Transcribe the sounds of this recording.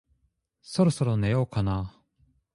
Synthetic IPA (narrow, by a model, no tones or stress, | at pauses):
soɾoso̞ɾo̞nejokana